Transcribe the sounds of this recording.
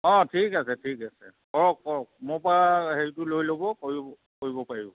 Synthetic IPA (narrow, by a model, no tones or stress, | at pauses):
ɔ̃tʰikasɛtʰikasɛ̰kɔɹɔk̚ːɔɹɔk̚mʊpɔaheɹitulojlobɔkoɹibɔ | koɹibɔpaɹibɔ